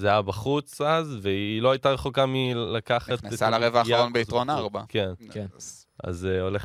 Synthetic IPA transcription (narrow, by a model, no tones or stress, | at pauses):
zeajabaχut͡sazveilo̞ajtaʁe̞χokamilakaχat̪salaʁevaːʁonbeitʁonaaʁbakenkn | a̰zeo̞leχ